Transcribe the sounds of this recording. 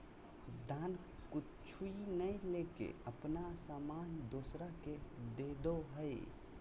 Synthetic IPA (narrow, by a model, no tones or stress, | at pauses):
d̪aːn | kʊ | t͡ʃʰuinəilekḛəpnasamand̪oːsɾaked̪ed̪oɦəj